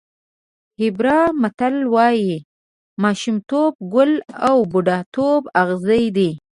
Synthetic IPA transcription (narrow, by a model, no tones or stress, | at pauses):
hɪbɾɑmat̪alwɑji | mɑʃʊmt̪ob̚ɡʊlawbʊɖɑt̪obaɣzəjd̪i